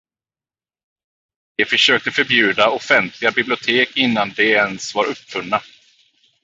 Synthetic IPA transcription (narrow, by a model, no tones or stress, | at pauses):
d̪̥ɛfœʂøːk̚t̪əfœɾbjʉ̟ːd̪aɔfɛnt̪ʰlɪɡabɪblɪʊt̪ʰeːkɪnːand̪ɛɛnsvɑɾɵpːfɵnːa